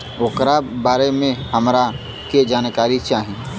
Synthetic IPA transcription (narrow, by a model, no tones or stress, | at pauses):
okɾabaːɾemẽhəmɾa | ked͡ʒaːnkaːɾit͡ʃaːɦĩ